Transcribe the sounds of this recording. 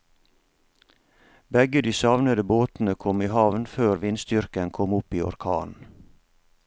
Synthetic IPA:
bɛɡəd̪iːsɑʋnəd̪əboːt̪n̩əkʰɔmiːhɑʋnføːɾʋɪnst̪ʏɾkənkʰɔmʊpiːɔ̰ɾkʰɑ̰ːn

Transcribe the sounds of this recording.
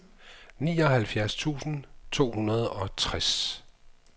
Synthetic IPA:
nḭːɒ̽ɦælfjæɐst͡sʰṵːsn̩t͡sʰo̝̰ːhunɐð̞ˠɒ̽t͡sʰʁas

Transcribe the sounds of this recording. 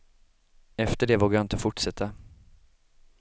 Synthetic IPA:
ɛft̪əɖɛːvoːɡajɑɪnt̪əfʊʈʂɛt̪ʰːa

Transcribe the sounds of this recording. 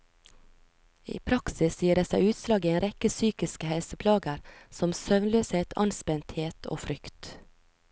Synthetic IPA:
ḭːpʰɾɑksɪsjiːəɖeːsæɪʉːt̪slɑːɡiːeːnɾɛkəsyːkɪskəhɛlsəpʰlɑːɡəɾsɔmsœʋnløːset̪ʰɑ̰nspɛnt̪heːt̪ʰo̰ːfɾʏkt̪

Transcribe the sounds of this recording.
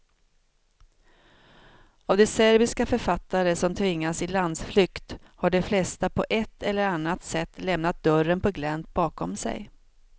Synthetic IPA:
avd̪ɛsæɾbɪskafœɾfat̪ːaɾəsɔmt̪ʰvɪŋːasɪland̪sflʏkt̪haɖɛflɛst̪apʰɔʔɛt̪ʰːɛlːəɾanːat̪sɛt̪ʰːlɛmnat̪̚d̪œɾənpʰɔɡlɛnt̪̚bɑːkʰɔmsɛ̰j

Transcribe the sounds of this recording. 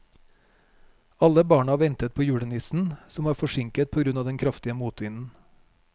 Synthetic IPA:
ɑləbɑːɳɑʋɛnt̪ət̪̚pʰoːjʉːɽənɪsn̩sɔmʋɑːɾfɔʃɪŋkət̪̚pʰoːɡɾʉnɑːd̪ɛnkʰɾɑft̪ɪəmuːt̪ʋɪnn̩

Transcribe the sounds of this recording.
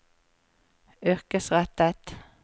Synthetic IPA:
ʏʁkəsʁɛt̪ət̪

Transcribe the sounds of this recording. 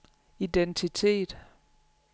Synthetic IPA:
ident͡sʰit͡sʰe̝̰ːd̥

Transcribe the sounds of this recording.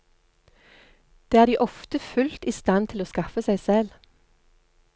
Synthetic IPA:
d̪̥eːæːʁd̪iːʔɔft̪əfʉlt̪iːst̪ɑnt̪ʰɪloːskɑfəsæɪsɛl

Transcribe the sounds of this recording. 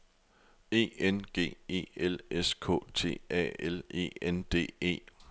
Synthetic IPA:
e̝̰ːenɡ̥e̝̰ːe̝̰ːeleskʰɔ̰̽ːt͡sʰe̝̰ːɛ̰ːele̝̰ːend̥e̝̰ːe̝̰ː

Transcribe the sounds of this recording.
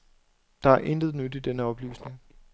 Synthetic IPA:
d̥ɑ̈æɐʔe̝nd̥ð̞ˠnød̥id̥enəɒ̽b̥ly̰ːsne̝ŋ

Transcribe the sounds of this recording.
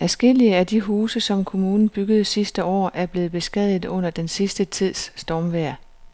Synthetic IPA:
æsɡ̥e̝l̰iəæd̥iɦuːsəsɒ̽mkʰo̝muːnn̩b̥yɡ̥əð̞̩ˠsisd̥əɒ̰ːæɐb̥le̝ːð̩ˠb̥e̝sɡ̥ɛð̰ˠð̩ˠɔ̽n̰ɐd̥ensisd̥ət͡sʰið̞̰ˠsːd̥ɒːmʋæɐ̰

